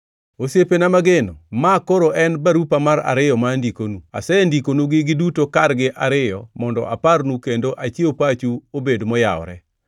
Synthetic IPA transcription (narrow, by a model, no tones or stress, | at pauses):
osepenamaɡenomakoɾoʔɛnbaɾupamaɾa̰ɾɪjɔmandikonua̰sɛndikonuɡɪɡɪdutokarɡɪʔaɾɪjɔmɔndɔ̰ʔa̰parnukendoʔat͡ʃiopat͡ʃuobedmɔja̰ɔ̰ɾɛ̰